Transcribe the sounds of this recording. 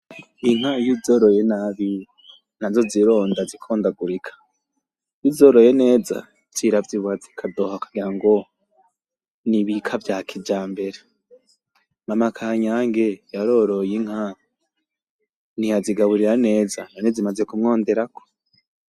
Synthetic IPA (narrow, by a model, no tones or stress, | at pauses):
iŋ̥ajizoɾojenaβi | nazo̞ziɾo̞ːndazikʰoːndaɡuɾikʰḁ | jizoɾoje̞ne̞ːza̰ | z̥iɾavjiβazi̥kʰado̞hakaɡiɾaŋɡo̞ | niβikʰavjaːkʰid͡ʒaːmbe̞ɾe | mamakʰaːɲaːŋɡejaɾo̞ɾo̞jiŋ̥ha | nihaziɡaβuɾiɾane̞ːzananezimaze̞kumŋo̞ːnde̞ɾakʰo̥